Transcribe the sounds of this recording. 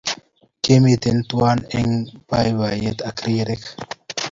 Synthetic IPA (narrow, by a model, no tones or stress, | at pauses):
kemit̪ent̪waneŋpajwajet̪akɾiːɾek